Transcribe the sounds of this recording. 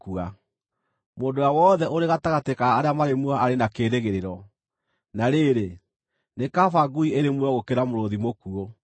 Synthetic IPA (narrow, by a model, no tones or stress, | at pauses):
kua | moːndowawɔðɛʔoɾeɣataɣatekaːɾeamaɾemwaaɾenakeːɾeɣeɾeɾɔ | naɾeːɾe | nekafaɡuieɾemwɔɣokeɾamoɾoðimokuo